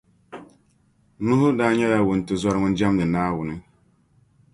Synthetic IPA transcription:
nu˦ɦʊ˦daː˦ɲɔ˦ja˦˨wʊ˨n̩˨tʊ˨zɔ˦ɾŋʊ˦n˦d͡ʒa˦mlɨ˨naː˦wʊ˨nɪ˦

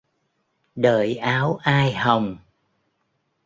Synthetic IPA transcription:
ɗəː˧˨˩jʔaː˨˦wʔaː˧jhə˨˩wŋ͡m

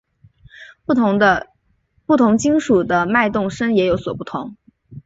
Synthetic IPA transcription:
pu˥˩t̪ʰʊ˧˥ŋt͡ɕi˥ŋʂu˨˩d̪ə˦ma˥˧ɪt̪ʊ˥˩ŋʂə˥ŋjɛ˧˥jo˧˥ʊswɔ˨˩pu˥˩t̪ʰʊ˧˥˦ŋ

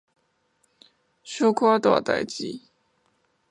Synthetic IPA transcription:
ɕo˥kʰwa˥t̪wa̰˨˩t̪a̰˥˧˩ɪt͡ɕḭ˥˦

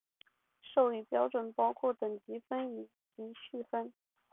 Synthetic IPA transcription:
ʂo˥˧ʊi˥˩pjɑ˥ʊʈ͡ʂwə˨˩npɑ˥ʊkʰwɔ˥˩t̪ə˨˩ŋt͡ɕi˧˥fə˥ni˨˩ | t͡ɕi˧˥ɕy˥˩fə˥n

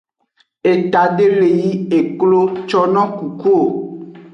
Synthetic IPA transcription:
e˨t̪a˨ɖe˦le˨ji˦e˨klo˦t͡ʃɔ˦nɔ̃˦ku˨ku˦o˨

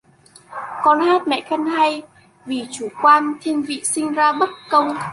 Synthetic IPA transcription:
kɔ˧nhaː˦˥t̚mɛ̰˧˨xə˧nha˧j | vi˨˩t͡ɕu˧˩kwaː˧nt̪ʰi˧ənvḭ˧˨sï˧ŋ̟zaː˧ɓə˦˥t̚kə˧wŋ͡m

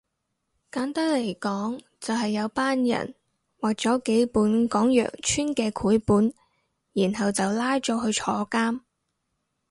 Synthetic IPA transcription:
kaː˨˥nt̪ɐ˥le˨˩jkɔː˨˥ŋ | t͡sɐ˨wɦɐ˨jːɐ˨˧wpaː˥njɐ̰˨˩n | wɐ˨˩k̚t͡sɔː˨˥ke˨˥jpuː˨˥nkɔː˨˥ŋjœ̰ː˨˩k̚t͡ʃʰyː˥nkɛː˧kʰuː˨˥jpuː˨˥n | jiː˨˩nɦɐ˨wt͡sɐ˨wlaː˥jt͡ʃɔː˨˥ɦɵ˧ɥt͡ʃʰɔː˨˧kaː˥m

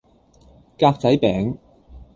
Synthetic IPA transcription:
kaː˧k̚t͡sɐ˨˥jpɛː˨˥ŋ

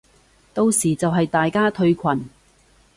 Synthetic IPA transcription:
t̪o˧wsiː˨˩t͡sɐ˨wɦɐ˨jt̪aː˨jkaː˥t̪ʰɵ˧ɥkʰɐ˨˩n

